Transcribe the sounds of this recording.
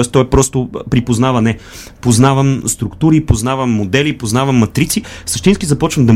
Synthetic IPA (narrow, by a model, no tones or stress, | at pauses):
ɛst̪ɔjpɾɔst̪ʊpɾipoznavɐnɛ | poznavɐmst̪ɾukt̪uɾipoznavɐmːod̪ɛlipoznavɐmːɐt̪ɾit̪sisəʃt̪inskʲizɐpɔt͡ʃvɐmd̪ɐ